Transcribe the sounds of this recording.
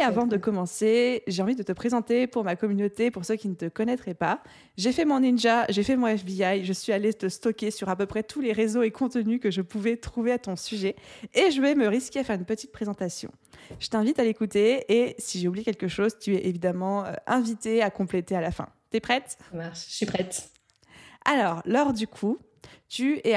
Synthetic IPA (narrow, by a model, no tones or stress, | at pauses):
avɑ̃d̪əkɔmɑ̃seʒeɑ̃vid̪ət̪əpχezɑ̃t̪epuʁmakɔmynot̪epuʁsøkʲinət̪əkɔnɛt̪χɛpa | ʒefɛmɔ̃ninʒaʒefɛmɔ̃ɛfbiajʒəsɥialet̪əst̪ɔkʲesyʁapøpχɛt̪ʰuleʁezoekɔ̃t̪ənykəʒəpuvɛt̪χuveat̪ɔ̃syʒɛːʒəvɛməʁiskʲeafɛʁynpət̪it̪̚pχezɑ̃t̪asjɔ̰̃ | ʒ̥ət̪ɛ̃vit̪alekut̪eːsiʒeublikʲɛlkəʃozt̪yɛʔevid̪amɑ̃ø̰ʔɛ̃vit̪eakɔ̃plet̪ealafɛ̰̃t̪yɛpχɛt̪maʃsipχɛt̪ | alɔːʁlɔʁd̪ykʰu | t̪yɛ